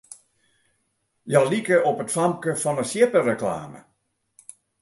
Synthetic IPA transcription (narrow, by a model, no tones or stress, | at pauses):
jɔlikəɔpətfamkəfɔnəsjɪpərəkla̰ːmə̰